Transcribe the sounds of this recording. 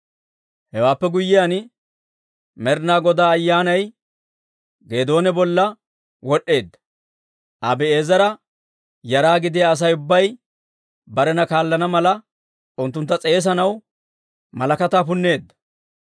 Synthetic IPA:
hɛwaːpːɛɡʊjːɪjan | mɛɾnaːɡɔd̪aːɐjːaːnɐj | ɡe̞ːd̪o̞ːnɛbɔlːɐ | wɔɗːe̞ːd̪ːɐ̥ | ʔɐbɛe̞ːzɐɾɐ | jɐɾaːɡɪd̪ɪjaːs̬ɐjʊbːɐj | bɐɾɛnɐkaːlːɐnɐmɐlɐ | ʊnt̪ːʊnt̪ːɐt͡sʼe̞ːs̬ɐnɐw | mɐlɐkɐt̪aːpʊnːe̞ːd̪ːɐ̥

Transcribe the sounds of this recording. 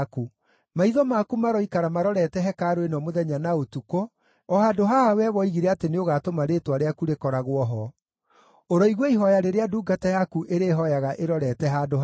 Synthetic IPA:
ku | maiðɔmakumaɾɔikaɾamaɾɔɾɛtɛɦɛkaːɾoenɔmoðɛɲanaotuko | ɔhadoɦaawɛβɔiɣiɾɛateneoɣaːtomaɾetwaɾeakuɾekɔɾaɣwɔɦɔ | oɾɔiɣwɔiɦɔjaɾeɾeaduːɡatajakuʔeɾeːɦɔjaɣaʔeɾɔɾɛtɛɦadoh

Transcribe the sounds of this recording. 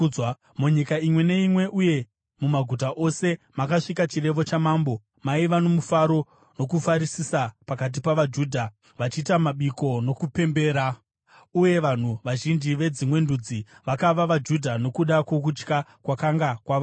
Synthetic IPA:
muɲikaimwe̞ne̞imwe̞ʔuje̞ | mumaɡʱut̬aʔo̞se̞makaʂikat͡ʃire̞ʋo̞t͡ʃamaːmbo̞ | maiʋano̞mufaɾo̞ | no̞kufaɾisisapakat̬ipaʋad͡ʒuːdʱa | ʋat͡ʃiːtamaɓiko̞no̞kupe̞mbe̞ːɾa | uje̞ʋan̤uʋaʒind͡ʒiʋe̞d͡zimwe̞ndud͡ziʋakaʋaʋad͡ʒudʱano̞kuɗakwo̞k̬ut͡ʃkakwakaŋɡakwaʋa

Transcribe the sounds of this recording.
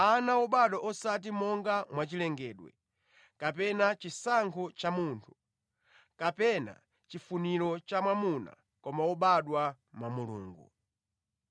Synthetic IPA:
anaɔɓaɗwɔʔɔsat̬imɔŋɡamwat͡ʃilɛŋɡɛːɗwɛ̰ | kapɛnat͡ʃisaŋkʰɔt͡ʃamuntʰu̥ | kapɛna̰ | t͡ʃifuniɾɔt͡ʃamwamuna̰ | kɔmaɔɓaɗwa | mamulṵːŋɡṵ

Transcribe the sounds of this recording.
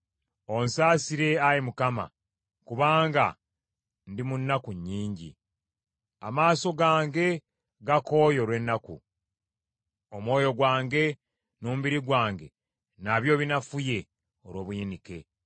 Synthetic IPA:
o̞nsaːsiɾe̞ajimukama̰ | kuβaːŋɡa̰ | ndimunːakuɲːiːɲɟḭ | a̰maːso̞ɡaːŋɡe̞ | ɡako̞jo̞ɾwe̞nːakṵ | o̞mwo̞ːjo̞ɡwaːŋɡe̞ | noːmubiɾiɡwaːŋɡe̞̰ | naβjo̞ːβinafuje̞ | o̞ɾwo̞ːβujinike̞

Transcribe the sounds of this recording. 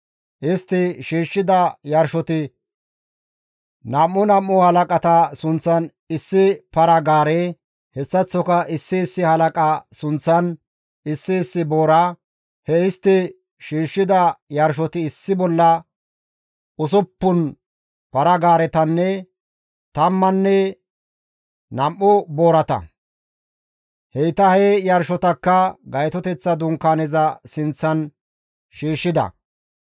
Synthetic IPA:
ʔɪst̪ːɪʃiːʃːɪd̪ɐjɐɾʃɔt̪ɪ | nɐmːʊnɐmːʊhɐlɐkʼɐt̪ɐsʊnt͡sːɐn | ɪsːɪpɐɾɐɡaːɾɛ | hɛsːɐt͡sːɔkɐʔɪsːɪːsːɪhɐlɐkʼɐsʊnt͡sːɐn | ɪsːɪɪsːɪboːɾa | hɛɪst̪ːɪ | ʃiːʃːɪd̪ɐjɐɾʃ̬ɔt̪ɪːsːɪbɔlːɐ | ʊs̬ɔpːʊn | pɐɾɐɡaːɾɛt̪ɐnːɛ | t̪ɐmːɐnːɛ | nɐmːʊbo̞ːɾɐt̪ɐ̰ | hɛjt̪ɐhɛjɐɾʃɔt̪ɐkːɐɡɐjt̪ɔt̪ɛt͡sːɐd̪ʊŋkːaːnɛzɐsɪnt͡sːɐn | ʃiːʃːɪd̪ɐ̰

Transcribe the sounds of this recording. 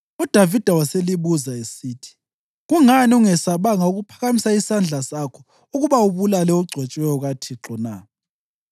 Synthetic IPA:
ud̥ʱavid̥ʱawaseliβuzaesiːtʰi̥ | ɣuŋaniuŋɛsaβaŋauɣupʰḁɣamisaisand͡ɮʱasakʰɔ̥ | uɣuβauβulalɛuɡ͡ǀʱwɛt͡ʃʼwɛjɔɣatʰiǁɔna̰

